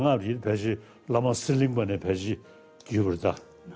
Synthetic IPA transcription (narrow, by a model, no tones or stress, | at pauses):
ŋaipʰɛt͡ɕeː | lamasiliŋpanɛːpʰɛːt͡ɕeː | cyːpaɹet̪a